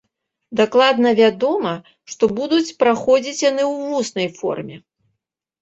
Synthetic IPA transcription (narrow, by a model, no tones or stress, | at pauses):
d̪aklˠad̪nɐvʲad̪ɔmɐ | ʂt̪ɔbud̪ut͡sʲpɾaxɔd͡zʲit͡sʲjanɨwvusnɐjfɔ̰rmʲɛ